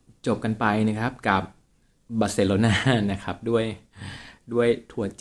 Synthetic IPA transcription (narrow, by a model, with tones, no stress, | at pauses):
t͡ɕo˨˩p̚ka˧npa˧jna˦˥kʰɾa˦˥p̚ka˨˩p̚ | baː˧˥se˧loː˧naː˥˨na˦˥kʰa˦˥p̚du˥˩əj | du˥˩əjt̪ʰu˨˩˦ɐt͡ɕ